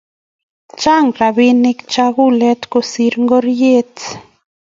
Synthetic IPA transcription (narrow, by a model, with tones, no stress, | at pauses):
t͡ʃa˦˨ŋɾa˨βi˦ni˧kt͡ʃa˦ɣu˦lɛ˦t̪ko˨si˧ɾŋɡo˦ɾje˦t͡s